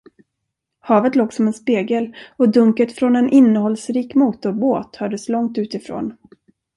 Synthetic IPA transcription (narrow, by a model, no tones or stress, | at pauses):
hɑːvət̪loːɡsɔmɛnspeːɡəlɔd̪ɵŋkət̪fɾɔnɛnʔɪnːəhɔlsɾiːkmuːt̪ʊɾboːt̪hœːɖəslɔŋt̪ʉ̟ːt̪ɪfɾo̰ːn